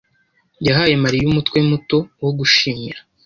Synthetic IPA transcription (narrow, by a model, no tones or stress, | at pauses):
jaɦaje̞maɾijumutwemuto̞woɡuʃiːɲa